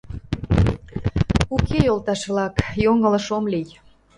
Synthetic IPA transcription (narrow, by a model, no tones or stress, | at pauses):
ukʰejolt̪ɑʃβlɑkjoŋələʃomlij